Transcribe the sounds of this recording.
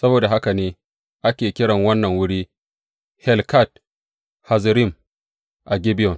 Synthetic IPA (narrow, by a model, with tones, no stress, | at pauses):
sɐ˦boː˨da˨ɦa˦ka˨neː˦ | ʔa˦kʲeː˨kʲɪ˦ɽɐ˨ŋwɐ˦nːɐ˨ŋwʊ˦ɽiː˦ | hɛ˦˨lka˦˨t̚ | ha˨zɾɪ˦˨m | ʔa˨ɡʲɪ˦bɪ˦jɔ˨n